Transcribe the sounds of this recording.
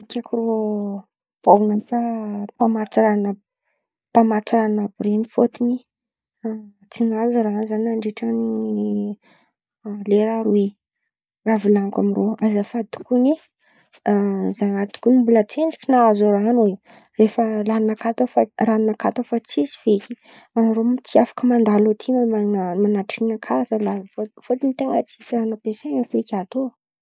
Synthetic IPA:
kʲakro | pawunafapamat͡suɾana | pamat͡suɾannabrenifot̪ini | t͡sinazoɾaɦanizanaɳɖ͡ʐeʈ͡ʂəni | leɾaɾwe | ravilaŋka̰miroazafad̪u̥kuni | zanad̪u̥kunimbulət͡seɳɖ͡ʐi̥kʲinaazoɾaɦanwe | refəlannakat̪əfarannakat̪əfat͡sisi̥vekʲi̥ | anaɾomit͡s̪ʰiafḁkəmand̪alot̪ʰimmamanaʈ͡ʂinəkʰazalafofot̪init̪eŋət͡sisiranapeseŋəfekʲat̪o

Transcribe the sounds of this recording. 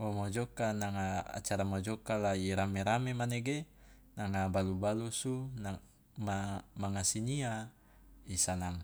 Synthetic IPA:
omod͡ʒɔkanaŋaa̰t͡ʃaɾamod͡ʒɔkalaiɾameɾamemaneɡe | naŋabalubalusuna | mamaŋasiɲia | isanaŋ

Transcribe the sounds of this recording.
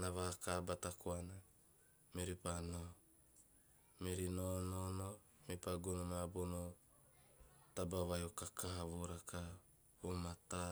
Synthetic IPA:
naβakabatakoana | meɾipano | meɾinonono | mepaɡunomabono | tabaβajokakaɦaβoɾaka | humata

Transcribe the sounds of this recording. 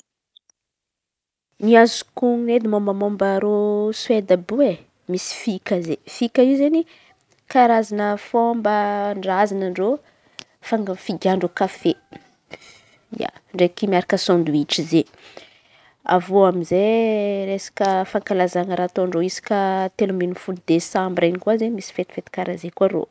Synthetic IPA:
niazukuŋned̪imombamombaɾoswed̪əbue | misi̥fikəzefikəizeni | kaɾazanəfombəɳɖ͡ʐazanaɳɖ͡ʐo | faŋɡəfiɡʲaɳɖ͡ʐokafe | ija̰ɳɖ͡ʐekimiaɾakəsɔ̃nd̪uiʈ͡ʂize | a̰voamizeɾesḁkəfaŋkalazanəɾat̪oɳɖ͡ʐoisḁkʲət̪eluminufuld̪esãmbɾajnikuazemisi̥fet̪i̥fet̪i̥kaɾazekuaɾo̰

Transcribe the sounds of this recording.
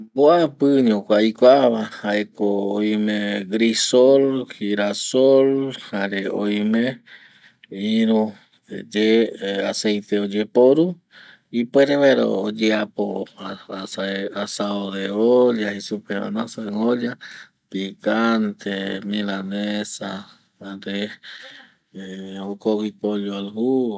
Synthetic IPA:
boapɨɲokʷajkʷaaβahaekoːj̃mẽɡɾisolhiɾasolhaɾeojmẽ | iɾu | d͡ʒeasejt̪eod͡ʒepoɾu | ipweɾeβeɾo̰ːd͡ʒeapo | saasaoðeoʎahisupea̰nasaoʎa | pikant̪ʰemilanesa | aɾe | okoɡipoʎoalhu

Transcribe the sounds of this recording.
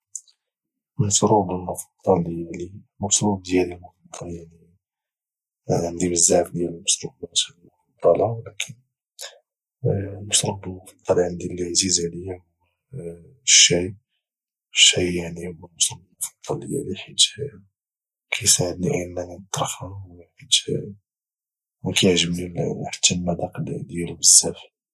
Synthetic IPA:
msɾubəlmʊfɑ̥d̪ˤːɑljli | mʊsɾub̚d̪jælilmʊfɑd̪ˤːɑljaʕni | nd̪ibəzːaʕfd̪jæləmɑsɾubbæt̪lmʊfɑd̪ˤːɑlɑwlækʰən | məsɾubəlmʊfɑd̪ˤːɑlʕənd̪ilʕzizʕləjːæw | ʃːij | ʃijaʕnihʊwːæmʊsɾˤɑbəmʊfɑd̪̥ˤːɑljːæ̰liħid̪ | kʰæjsaʕəd̪niʔinːænint̪ˤːɑɾˤxɑwħid̪ | wkæjʕʒəmnilħt̪ʰːimæd̪ɑqld̪jælbəzːæf

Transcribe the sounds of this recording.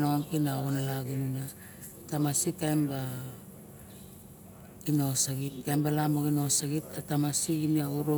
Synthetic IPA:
noaŋkinaoonalaɡinuna | tamasitajmba | ino̞saɡit̚kajmbalamoɡino̞saɡit̚datamasiɡiniauɾo

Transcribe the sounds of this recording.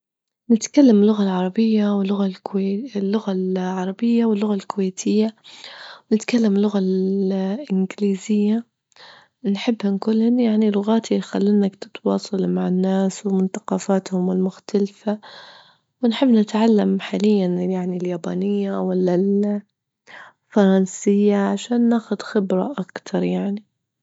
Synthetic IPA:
nɪt̪kalːamɪlːʊɣalʕɑɾˤɑbɪjːawɪlːʊɣallːʊɣalʕɑɾˤɑbɪjːawɪlːʊɣalkʊweːt̪ʰɪjːa | wnɪt̪kalːamlːʊɣal | ʔɪnɡɪliːzɪjːa | nħɪbːhɪnkʊlhʊnjaʕnilʊɣaːt̪ʰixalːɪnakt̪ɪ̥t̪wɑːsˤɑlmaʕɪnːaːswɪmʊnθɑ̥qɑːfaːt̪hʊmɪlmʊxt̪alfa | wɪnħɪbːnɪt̪ʕalːamħaːlɪjːanjaʕniljaːba̰ːnɪjːawalːal | fɑɾˤɑnsɪjːaʕaʃaːnːaːxʊd̪xɪbɾa̰ʔakt̪ʰɑɾˤjaʕni

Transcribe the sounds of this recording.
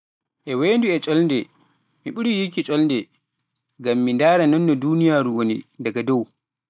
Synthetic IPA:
ʔɛweːnduɛt͡ʃʼɔlndɛ | miɓuɾijikit͡ʃʼɔlndɛ | ɡamːindaːɾanɔnːɔduːnijaːɾuwonḭdaɡadɔw

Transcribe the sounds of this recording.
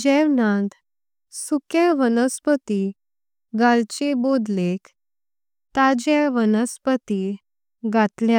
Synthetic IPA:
d͡ʑɛʋnãd̪ | sukeʋənəspət̪i | ɡalt͡ɕebod̪lek | t̪ad͡ʑeʋənəspət̪i | ɡʱat̪lja

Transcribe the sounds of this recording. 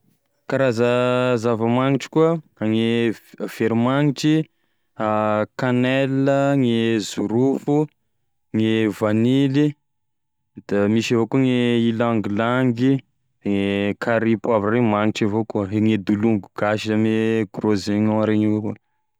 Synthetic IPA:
kaɾazəzavəmaŋiʈ͡ʂi̥kuəaŋev̥eɾimaŋiʈ͡ʂi | akanɛləŋezuɾufu | ŋevanili | d̪̥amiʃavokuəŋeilaŋɡlaŋɡi̥ | ŋekʰaɾipavaremaŋiʈ͡ʂavokuəeŋed̪uluŋɡuɡ̥aʃiameɡ̥rozeɲoaɾeɲavokuə

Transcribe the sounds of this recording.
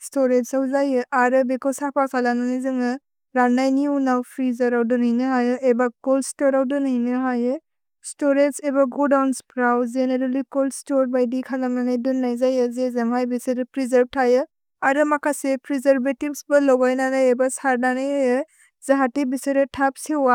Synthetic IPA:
stɔɾetsawzajɯʔaɾɯbekɔsapʰasʰalananizɯŋɯ | ɾanːajniunawpʰɾizaɾawdɯnɦɯjnɯɦajɯʔebakɔlstɔɾawdɯnajnɯɦajɯ | stɔɾetsebaɡodawnspɾawzeneɾalikɔlstɔɾbajdikʰalamnanajdunːajzajɯzezemajbiseɾɯpɾizaɾb̚tʰajɯ | aɾɯmakʰasepɾizaɾbetibsbɯlɔɡajnanajebasaɾnanajajɯ | zaɦatibiseɾɯtʰap̚sewa

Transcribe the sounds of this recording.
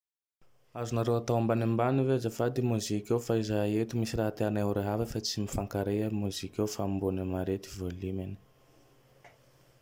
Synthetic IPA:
azunaɾewat̪awambanembanivezafad̪imuzikʲewfaizaet̪umisiraɦat̪eanewɾeɦavəfat͡simifaŋkaɾeəmuzikefambunəmaɾet̪ivolimani̥

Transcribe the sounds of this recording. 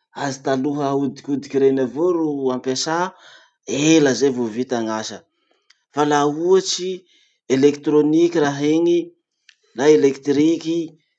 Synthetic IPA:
azit̪aluɦəud̪ikʲud̪ikʲiɾenavoɾuampasa | eləzevovit̪aŋaʃə | falauat͡ʃi | elekt̪ɾonikʲiraɦeŋi | naelekt̪ɾiki

